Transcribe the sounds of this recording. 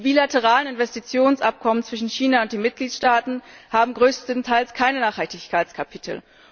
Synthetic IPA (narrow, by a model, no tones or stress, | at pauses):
d̥iːbiːlatəʁ̞aːlənɪnvɛstit͡sjoːnsʔap̚kʰɔmənt͡sv̥ɪʃn̩çiːnaʊnt̚d̥eːnmɪt̚ɡ̥liːtʃtaːtn̩haːbm̩ɡʁøːstən̩tʰaɪlskʰaɪnənaːχhaltɪçkʰaɪt͡skʰapʰitʰl̩